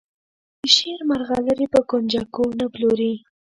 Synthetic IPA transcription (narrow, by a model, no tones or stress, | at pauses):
d̪əʃeɾmaɾɣɑləɾipəkond͡ʒakonaploɾi